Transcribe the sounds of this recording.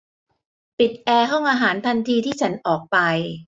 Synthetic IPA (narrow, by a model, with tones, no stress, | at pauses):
pi˨˩t̪̚ʔɛː˧ɦɔ˥˩ŋʔaː˧ɦaː˩˦nt̪ʰa˧nt̪ʰiː˧t̪ʰiː˥˩t͡ɕʰa˦˥nʔɔː˨˩k̚pa˧j